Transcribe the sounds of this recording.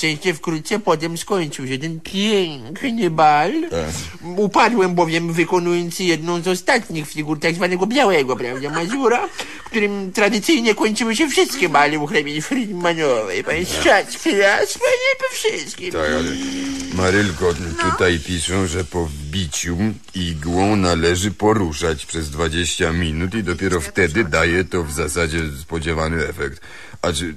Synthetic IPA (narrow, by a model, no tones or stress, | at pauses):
t͡ʃɛ̃ʃt͡ʃɛfkɾut̪sɛpɔt̪ɛ̃mʃkɔ̃ɲt͡ʃiwʃɛt̪ɛ̃npɛ̃kɲebal | upad̪wɛ̃mbɔvjɛmvɨkɔnujɔ̃nsjɛd̪̚nõw̃zɔst̪at̪ɲixfiɡuɾt̪ɛksvanɛɡɔbjawɛɡwɔpɾawd̪amazuɾa | kt̪uɾɨmt̪ɾad̪ɨsijɲɛkõɲt͡ʃiwɪʃ̬ɛfʂɪst̪kebaliuxɾɛmʲiɲfɾiɲmaɲɔvɛjpãsʂat͡ɕkʲeaspɔɲɛpɔfʂɪst̪kʲimt̪akalɛ̰maɾɘlkɔt̪ut̪ajpʲiʂɛ̃ʐɛpɔvbʲit͡ɕu | iɡwɔ̃w̃nalɛʐɘpɔɾuʂat͡ɕpʂɛzd̪vad͡ʑeɕt͡ɕamʲinut̪id̪ɔpʲjɛɾɔft̪ɛd̪ɘd̪ajɛt̪ɔvzasad͡ʑɛspɔd͡ʑɛvanɘɛfɛk̚t̪ | aɘ